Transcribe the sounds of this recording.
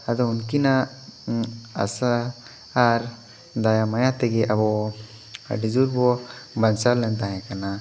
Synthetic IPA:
ad̪ɔunkina | a̰saː | ɾ | d̪ajamajat̪ɛɡɛʔabɔ | a̰ɖid͡ʒuɾbɔbansalːɛnt̪aɦɛ̃kana

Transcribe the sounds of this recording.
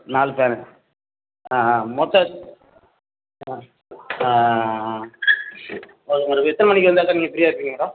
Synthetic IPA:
naːlpaːn | aːmɔt̪ːɐ | a | ɔɾɐɾɐɛt̪ːɐnɐmɐnɪkːɯʋɐnd̪aːkːaniːŋɡɐpːɪɾɪjaːɪɾpːiŋɡɐmɐɾãː

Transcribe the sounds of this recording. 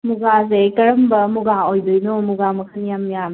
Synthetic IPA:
muɡazekɐɾɐmbɐmuɡaojdɯjnomuɡamɐkʰɐnijamijam

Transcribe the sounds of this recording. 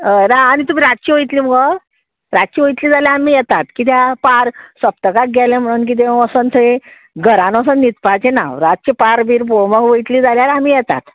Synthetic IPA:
naːnit̪um̤iːɾat̪̚t͡ɕiːʋojt̪liːməɡə | ɾat̪̚t͡ɕiːʋojt̪liːd͡zaljaamijɛt̪at̪kit̪̬japaɾsəp̚t̪əkak̚ɡɛlẽm̤əɽ̃uːnk̬it̪̬ẽəsənt̪ʰəe | ɡəɾãnəs̬ənnit̪pat͡ɕena̰ɾat̪̚t͡ɕipaɾbʱiɾpoɭməkʋəjt̪liːd͡zaljaɾamiːjɛt̪a̰t̪

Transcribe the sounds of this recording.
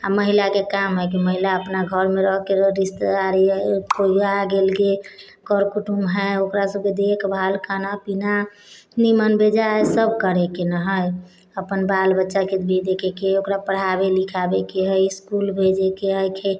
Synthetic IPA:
aməɦilakekamɦɛkiməɦilaəpnaɡʱəɾmeɾəɦkeɾist̪aɾikoiaɡelɡe | kəɾkuʈumɦɛokɾasəb̚ked̪ekʰbʱalkanapina | nimənbed͡ʒaesəb̚kəɾɛkenəɦəj | əpənbalbətːʃaket̪bʱid̪ekʰekeokɾapəɽ̤abelikʰabekeɦəjskulbʱed͡ʒekeɦəjkʰe

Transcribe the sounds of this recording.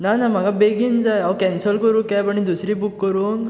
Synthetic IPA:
nanam̤aɡabeɡind͡zajawkɛ̃nsəlkəɾũkajpəɽ̃id̪usɾibukkːəɾuŋɡ

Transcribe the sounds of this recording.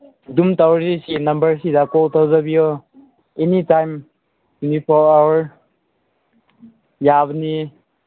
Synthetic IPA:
dumtawzisinɐmbəɾsidakɔltawzabiɔ | enitajm | tʰunipʰɔɾawəɾ | jabni

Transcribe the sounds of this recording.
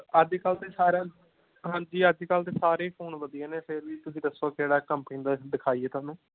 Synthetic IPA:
əd̪ːkəlt̪eːsaːɾaː | ɦãːd͡ʒiːəd̪ikəlt̪̬eːsaːɾeːpʰoːnʋəd̪ijẽːneːpʰɪɾʋiːt̪ʊsĩːd̪əsːoːkɪeːɽaːkəmpnĩːd̪aːd̪ɪkʰaːiːɛːt̪ʊaːnũː

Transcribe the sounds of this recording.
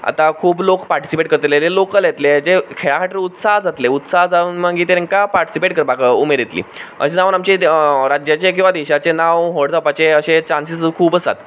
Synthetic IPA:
a̰t̪akʰuːblokpaɾʈi̥sipeʈ̚kəɾt̪lelelokəljet̪led͡zekʰeɭakaʈɾiut̪saɦd͡zat̪leut̪saɦd͡zauːnməɡiːt̪eɾẽŋkapaɾʈi̥sipeʈ̚kəɾbakəumeɾjet̪lḭːə̰ɕed͡zaʋuːnamt͡ɕeɾad͡ʑjat͡ɕek̬ĩw̃ʋad̪eɕat͡senaʋɦoɽd͡zapat͡ɕeəɕet͡ɕansiskʰuːbəsa̰t̪

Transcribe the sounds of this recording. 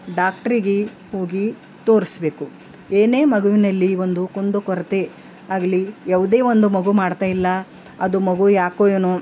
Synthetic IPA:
ɖaːk̚ʈɐɾiɡe | hoːɡi | t̪o̞ːɾisbe̞ːku | eːne̞ːmɐɡuʋinɐlːiʋond̪ukond̪ukɔɾɐt̪e | aːɡɐlijaːʋɐd̪e̞ːʋond̪umɐɡumaːɽt̪aːjilːɐ | ɐd̪umɐɡujaːkoːjeːnu

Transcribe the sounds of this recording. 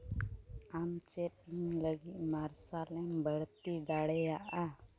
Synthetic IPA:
amt͡ʃɛt̚iɲləɡiʔ̪̚ˀmaɾsalɛmbʱəɽt̪id̪aɽɛjaʔa

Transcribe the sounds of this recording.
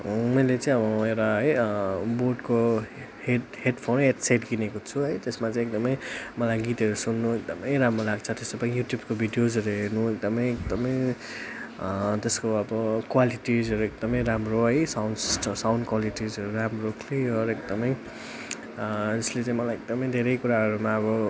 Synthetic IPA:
mʌjlet͡sãĩʌbʌewʈaɦʌjboɖko | heheɖpʰonɦeʈseʈɡinekot͡sʰuɦʌjt̪esmat͡saĩek̚d̪ʌmʌjmʌlajɡit̪ɦʌɾusunːuek̚d̪ʌmʌjɾamrolaɡt͡sʰʌt̪esd̪ʌpaĩjuʈjub̚kobʱiɖijod͡zʌɾuɦeɾnuek̚d̪ʌmʌjek̚d̪ʌmʌj | t̪eskoʌbʌkwaliʈid͡zɦʌɾuek̚d̪ʌmʌjɾamroɦʌjsawnssʈʌsawndkwaliʈid͡zɦʌɾuɾamrokʰliʌɾekd̪ʌmʌj | d͡zʌslet͡sãĩmʌlajekd̪ʌmʌj̃d̪ʱeɾʌjkuɾaɦʌɾumaʌbʌ

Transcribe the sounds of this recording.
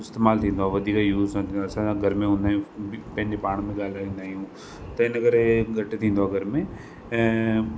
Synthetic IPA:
ɪst̪eːmaːlt̪ʰĩːnd̪oaːʋɐd̪ʱiːkajuːzsãt̪ʰiːsãaɡʱɐɾmẽɦũːnd̪aːɦijũpɐ̃ɦɪ̃ɲd͡ʑepaːɽ̃mẽɡaːlaĩnd̪aːɦiɦũː | t̪ɐɪnəɡəɾɡʱɐʈt̪ʰĩːnd̪oaːɡʱɐɾmẽː

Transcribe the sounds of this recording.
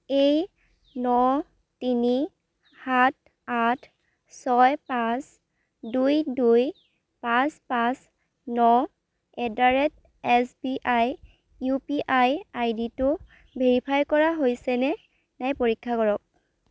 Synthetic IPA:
ej | nɔ | tini | hat̚ʰ | atʰ | sɔjpãs | dujduj | pãspãs | nɔ | ɛdaɹɛt̚ | ɛsbiʔaj | jupiʔajajditʊ | bʱeɹipʰajkɔɹaɦojsɛnɛ | najpoɹikʰːakɔɹɔk̚

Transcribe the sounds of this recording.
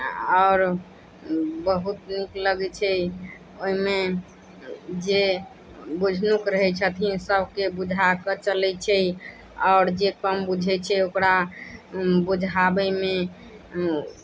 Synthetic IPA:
ɔʊɾ | bəɦut̪nikləɡɛt͡ʃʰɛ | oɦime | d͡ʒe | bud͡ʒʱnukɾəɦɛt͡ʃʰət̪ʰisəbʱkebud͡ʒʱakət͡ʃəlɛt͡ʃʰɛ | ɔʊɾd͡ʒekəmbud͡ʒʱɛt͡ʃʰɛokɾa | bud͡ʒʱabɛme

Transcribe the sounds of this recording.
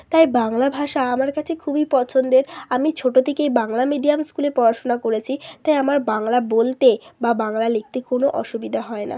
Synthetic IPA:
t̪ajbaŋlabʱaʃaamaɾkat͡ɕʰekʰubipɔt͡ɕʰond̪eɾamit͡ɕʰoʈot̪ʰekebaŋlamiɖiamskulepɔɾaʃonakoɾet͡ɕʰit̪ajamaɾbaŋlabolt̪ebabaŋlalek̚t̪ekonoʔɔʃubid̪ʱaɦɔena̰

